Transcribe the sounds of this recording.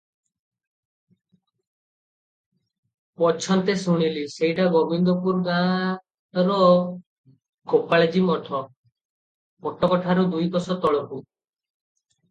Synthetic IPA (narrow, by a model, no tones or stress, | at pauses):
pɔt͡ʃʰɔnt̪esuɽ̃iliseɦiʈabɔbind̪ɔpuɾɡã | ɾɔ | ɡopaɭad͡ʒimɔʈʰɔ | mɔʈʰɔkɔʈʰaɾɔd̪ujbɔsɔt̪ɔɭɔku